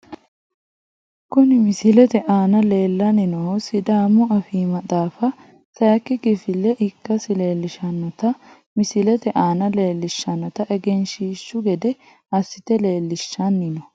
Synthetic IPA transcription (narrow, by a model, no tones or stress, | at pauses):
kʊnɪmɪsɪlɛt̪ɛʔaːnɐle̞ːlːɐnɪnɔsɪd̪aːmːʊʔɐfiːmɐt̪ʼaːfɐ | sɐjɐkːɪɡɪfɪlːɛʔɪkːɐsɪle̞ːlːɪʃɐnːɔt̪ɐ | mɪsɪlɛt̪ɛʔaːnɐle̞ːlːɪʃːɐnːɔt̪ɐʔɛɡɛnʃiːʃːʊɡɛd̪ɛ | ɐsːɪt̪ɛle̞ːlːɪʃːɐnːɪnɔ